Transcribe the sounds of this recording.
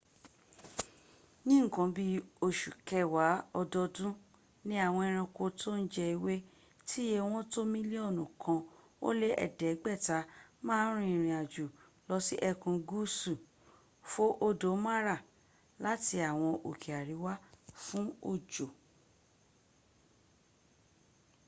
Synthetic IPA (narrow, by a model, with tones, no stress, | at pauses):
nĩ˦ŋ̩˨kã˨˧bi˦o˧ʃu˨kɛ˧wa˨˦ɔ˧dɔ˧dũ˦ | nĩ˦a˦˨w̃ɔ̃˧ɛ˧ɾ̃ã˧ko˧tʰo˦n̩˦d͡ʒɛ˧i˧we˦ | ti˦je˧w̃ɔ̃˦to˦mĩ˦li˦ɔ˦˨nũ˨kʰã˧ | o̰˦le˦ʔɛ̰˦˨dɛ˨˦ɡ͡bɛ˦˨ta˧˦mãː˦˨˦ɾ̃ũ˦ĩ˦˨ɾ̃ĩ˨a˨d͡ʒu˨ | lɔ˧˦si˦ʔɛ˧kũ˧ɡu˦su˨ | fo˦ʔo˦do˨˦ma˦ɾa˦˨ | la˨˦ti˧a˨w̃ɔ̃˧ʔo˨kʰi˨a˨ɾi˨˦wa˦fũ˦o˦˨d͡ʒo˨